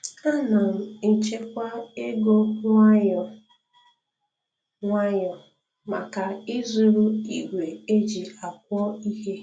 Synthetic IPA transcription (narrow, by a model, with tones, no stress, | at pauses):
a˦na˨m̩˨n̩˨t͡ʃe˦kʷa˦e˦ɡo˦ŋʷa˦ɲɔ˨ | ŋʷa˦ɲɔ˨ | ma̰˨ka˨ɪ˦zu˦ɾu˦i˨ɡʷe˨e˦d͡ʒi˨a˨k̚ʷɔ˦i˦ɦe˦